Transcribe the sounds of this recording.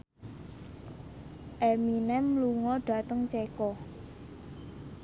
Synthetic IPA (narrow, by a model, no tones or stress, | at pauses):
ʔɛminɛmluŋɔɖ̥ä̤t̪əŋt͡ʃekɔ